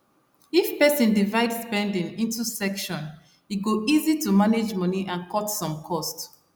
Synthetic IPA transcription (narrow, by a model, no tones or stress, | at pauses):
ifpɛsĩndivaɪdspɛ̃ndĩŋĩntusɛkʃɔ̃n | iɡoʔizitumaned͡ʒmʌniʔãnkʰɔtsɔ̃mkʰɔst